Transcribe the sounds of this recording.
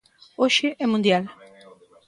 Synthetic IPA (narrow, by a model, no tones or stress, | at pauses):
oʃɪʔɛmũnd̪jal